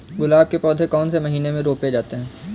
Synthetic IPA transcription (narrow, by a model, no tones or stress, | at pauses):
ɡʊlaːb̚kepɔːd̪ʱekɔːnsemɐɦiːnemẽɾoːped͡ʒaːt̪eɦɛ̃ː